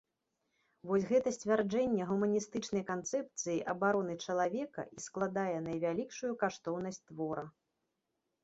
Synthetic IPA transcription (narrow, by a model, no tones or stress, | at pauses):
vɔsʲɣɛt̪ɐsʲt͡sʲvʲard͡ʐɛnʲːɛɣumɐnʲist̪ɨt͡ʂnɐjkant̪sɛp̚t̪sɨjiʔɐbaɾɔnɨt͡ʂɐlˠavʲɛkɐ̰ʔisklˠad̪ajɛnɐjvʲalʲikʂujukaʂt̪ɔwn̪ɐsʲt͡sʲt̪vɔɾɐ